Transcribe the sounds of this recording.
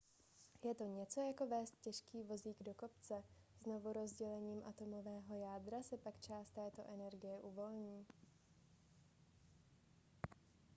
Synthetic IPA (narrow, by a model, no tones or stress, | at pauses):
jɛt̪o̞ɲɛt͡so̞jako̞vɛːst̪̚cɛʃkiːvo̞ziːɡdo̞ko̞pt͡sɛzno̞vuɾo̞zɟɛlɛɲiːmʔat̪o̞mo̞vɛːɦo̞jaːd̪ɾasɛpakt͡ʃaːst̪ɛːt̪o̞ʔɛnɛɾɡɪjɛʔuvo̞lɲiː